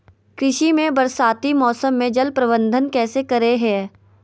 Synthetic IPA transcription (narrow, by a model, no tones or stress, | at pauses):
kɾɪʃimẽbɐɾsaːt̪imɔːsəmːẽd͡ʒɐlpɾɐbə̃nd̪ʱənkɛːsekɐɾeɦɛː